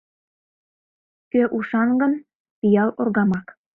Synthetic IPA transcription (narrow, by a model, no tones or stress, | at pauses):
køʔuʃɑŋɡɤ̆n | pijɑlˠʔŏrɣɑmɑk